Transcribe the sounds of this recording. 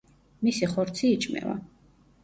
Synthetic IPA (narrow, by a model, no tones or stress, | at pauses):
misiχɔɾt̪sʰiːt͡ʃʰʼmɛ̰va̰